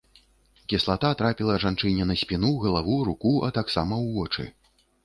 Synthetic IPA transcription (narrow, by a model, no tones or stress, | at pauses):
kʲislˠat̪at̪ɾapʲilˠɐʐant͡ʂɨnʲɛnɐsʲpʲinuɣɐlˠavuɾukuʔɐ̰t̪aksamɐwvɔt͡ʂɨ̰